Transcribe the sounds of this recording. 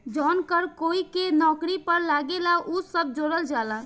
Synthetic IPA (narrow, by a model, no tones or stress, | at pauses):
d͡ʒɔnkəɾkoikenɔːkɾipəɾlaɡelaʔusəb̚d͡ʒoɾəld͡ʒala